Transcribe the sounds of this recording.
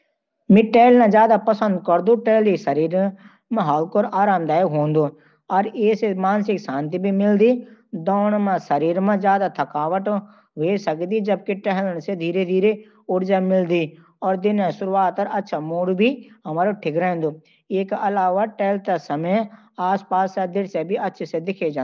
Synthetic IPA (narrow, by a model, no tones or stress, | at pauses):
mĩʈɛːlnãzjaːd̪apɐsə̃nd̪kɐɾd̪ũʈeːlisɐɾiːɾ | mẽɦaːlkoːɾaːɾaːmd̪aːjkɦõːnd̪oː | ɐɾeːsemaːnsɪksãːnt̪ibʱimɪld̪id̪ɔːɳ̃mãsɐɾiːɾmẽzjaːd̪at̪ʰɐkaːʋəʈ | ʋeːsɐkd̪id͡ʒɐb̚keʈɛɦləɽ̃sed̪ʱiːɾed̪ʱiːɾe | ʊɽd͡ʒamɪld̪iː | ɔːɾd̪ɪnẽsʊɾuʋaːt̪ːɐɾɐtːʃʰamuːɽbʱiɦɐmaːɾoʈʰɪɡɾaːɪ̃nd̪oː | eːkɐlaːʋaʈɛːlt̪ɐsɐməj | aːspaːsːed̪ɪɽsebʱiɐtːʃʰsed̪ɪkʰed͡ʒãː